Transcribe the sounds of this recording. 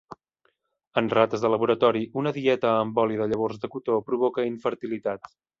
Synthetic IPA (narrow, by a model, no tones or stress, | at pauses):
ənrat̪əzðələβuɾət̪ɔɾiʔunəðiɛt̪əːmbɔliðəʎəβ̞orzðəkut̪opɾuβ̞ɔkəiɱfəɾt̪ilit̪at̪